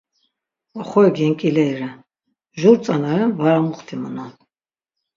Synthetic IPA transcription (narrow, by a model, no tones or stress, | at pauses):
ɔχɔɛɡɛŋkʼilɛiɾɛ | ʒuɾt͡sʼanaɾɛnvaɾamuχt̪ʰimənan